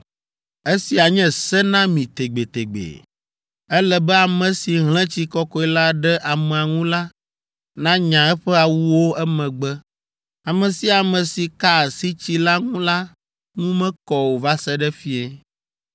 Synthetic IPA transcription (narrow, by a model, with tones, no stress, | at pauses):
ɛ˦si˨a˨ɲɛ̃˦sɛ˦nã˦mĩ˨t̪e˨ɡ͡be˨t̪e˨ɡ͡bḛ˨ | ɛ˦lɛ˨bɛ˦a˨mɛ̃˨si˨ɦl̃ɛ̃˦t͡ɕi˦kɔ˦kɔ˦i˦la˦ɖɛ˦ʔa˨mɛ̃˨a˨ŋũ˦la˦ | nã˦ɲã˨ɛ˦ɸɛ˦a˨wu˦wo˦ɛ˦mɛ̃˨ɡ͡bɛ˦ | a˨mɛ̃˨si˦a˨mɛ̃˨si˨ka˦˨si˦t͡ɕi˦la˦ŋũ˦la˦ | ŋũ˦mɛ̃˦kɔ˦wo˨va˦sɛ˦ɖɛ˦fi˦ɛ˦